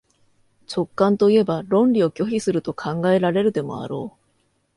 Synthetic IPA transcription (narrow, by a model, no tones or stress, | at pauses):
t͡ɕo̞kːãnt̪o̞ie̞baɾõ̞nɾʲio̞kʲo̞çisɨɾɯ̟t̪o̞kʰãŋɡae̞ɾaɾe̞ɾɯ̟d̪e̞mo̞̰a̰ɾo̞ː